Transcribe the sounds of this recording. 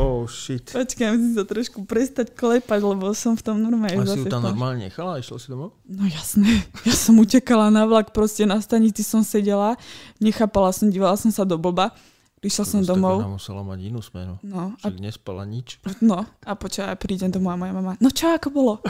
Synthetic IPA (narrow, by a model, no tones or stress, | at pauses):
ɔʃit̪pɔt͡ʃkamusimsat̪ɾɔʃkupɾɛst̪acklɛpaɟlɛbɔsɔmft̪ɔmnɔɾmɛzat̪anɔɾmaːlɲɛɲɛ̰xalaiʃla̰sid̪ɔmɔʊnɔjasnɛjasɔmucɛkalanaʋlakpɾɔscɛnast̪aɲit͡sisɔmsɛɟɛlaɲɛxaːpalasɔmɟiːʋalasɔmsad̪ɔbɔba | pɾiʃlasɔmd̪ɔmɔʊmusɛla̰ma̰ɟinuːsmɛ̰nunɔʃaa̰ɡɲɛspa̰la̰ɲit͡ʃnɔapɔt͡ʃkaapɾiːɟɛmd̪ɔmɔjamɔjamamanɔt͡ʃɔakɔbɔlɔ